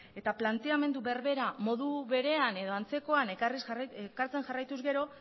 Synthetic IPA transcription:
e̞t̪aplant̪e̞ame̞nd̪uβe̞ɾβe̞ɾamo̞ðuβe̞ɾe̞ane̞ð̞o̞ant͡se̞ko̞anerisekaɾt͡se̞ŋʝarajt̪uzɡe̞ɾo̞

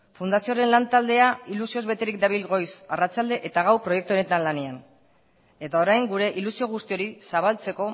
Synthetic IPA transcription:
fund̪asio̞ɾe̞nlant̪ald̪e̞ailusio̞zβe̞t̪eɾik̚d̪aβilɣo̞jsarat͡ʃald̪e̞ʔet̪aɣawpɾo̞jekt̪uone̞t̪anlane̞an | e̞t̪ao̞ɾajŋɡuɾe̞ʔilusio̞ɣ̞ust̪io̞ɾisaβ̞alt͡se̞ko̞

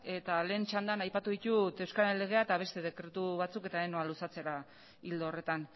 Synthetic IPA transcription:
e̞t̪ale̞ːnt͡ʃand̪anajpat̪uðit̪ut̪ewskaɾele̞ɣ̞e̞aet̪aβ̞e̞st̪e̞ð̞e̞kɾe̞t̪uβat͡suke̞t̪aeno̞alusat͡se̞ɾa | ild̪oːre̞t̪an

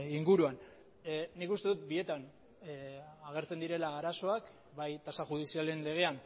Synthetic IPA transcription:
iŋɡuɾuan | nikust̪e̞ðut̪̚bie̞t̪an | aɣ̞e̞ɾt͡se̞nd̪iɾe̞laːɾaso̞ak | bajt̪asaʝuð̞isiale̞nle̞ɣ̞e̞an

